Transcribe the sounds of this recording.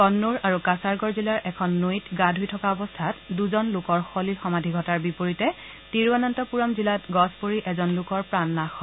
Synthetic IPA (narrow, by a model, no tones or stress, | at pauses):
kɔnːuɹaɹukasaɹɡɔɹzilaɹɛkʰɔnːujtɡadʱujtʰɔkaɔbɔstʰatduzɔnlʊkɔɹxolixɔmadʱiɡʱɔtaɹbipoɹitɛ | tiɹwanantɔpuɹɔmzilatɡɔspoɹiʔɛzɔnlʊkɔɹpɹanːaxɔ